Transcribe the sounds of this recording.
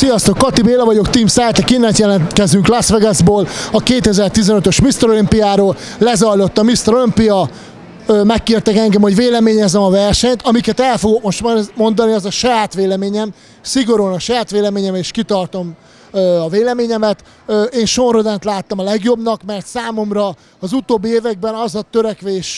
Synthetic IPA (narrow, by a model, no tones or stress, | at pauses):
sijɒst̪okːɒt̪ibeːlɛvɒɟo̞kt̪iːmsɛːt̪ɛkinːɛt̪jɛlɛnkɛzyŋklasʋɛɡɛzboːlɒkeːt̪ɛzɛrt̪izɛnøt̪ø̞ʃmist̪ɛɾolimpijaːɾoːllɛzɒjlo̞t̪ːɒmist̪ɛɾolimpijɒ | øːmɛkːiːrt̪ɛkɛŋɡɛmho̞ɟveːlɛmeːɲɛzɛmɒvɛrʃɛɲt̪ɒmikɛt̪ɛlfo̞ɡok̚mo̞ʃt̪mmo̞nd̪ɒniɒzɒʃɒjaːt̪ʋeːlɛmeːɲɛm | siɡo̞ɾunɒʃɒjaːt̪ʋeːlɛmeːɲɛmeːʃkit̪ɒrt̪o̞m | ɒveːlɛmeːɲɛmɛt̪ | øeːnʃonrod̪ɛnt̪laːt̪ːɒmɒlɛɡjo̞bnɒkmɛrt̪saːmo̞mrɒː | zut̪oːbːieːvɛɡ̚bɛnɒzɒt̪øɾɛkʋeːʃ